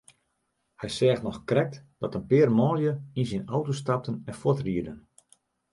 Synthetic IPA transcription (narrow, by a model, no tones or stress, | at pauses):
hɛjsɛːxtnɔxkrɛk̚td̥ɔtənpɪːrmɔːljəinsinɔwtostap̚tənɛnfotriədən